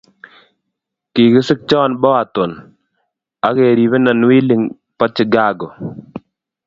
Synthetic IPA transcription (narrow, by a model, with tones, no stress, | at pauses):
ki˨kɪ˦sɪ˦k̚t͡ʃɔː˦nbɔ˦wa˨t̪ɔ˨n | a˨˦ke˨ɾi˨be˦na˨nwi˦li˨ŋ | pɔ˦t͡ʃɪ˨ɡa˦ɡɔ˨